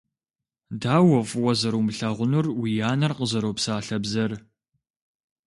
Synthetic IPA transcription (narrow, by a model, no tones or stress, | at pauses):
daːwɐfwɐzɐɾomɨɬɐʁʷʊnurwijaːnɐrqəzɐɾoːpsaːɬɐbzɐr